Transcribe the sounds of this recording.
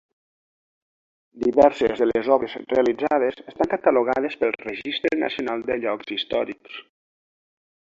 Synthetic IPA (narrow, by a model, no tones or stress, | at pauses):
d̪iβɛɾsḛzðəlezɔβɾezrealid͡zað̞esest̪aŋkat̪aloɣ̞að̞espəlˠrəʒist̪ɾena̰sionalˠd̪əʎɔkz̥ist̪ɔ̰ɾiks